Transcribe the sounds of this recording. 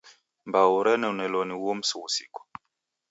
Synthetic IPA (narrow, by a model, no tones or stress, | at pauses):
mbauɾɛnɛunɛlɔniwom̩suwusḭkɔ̥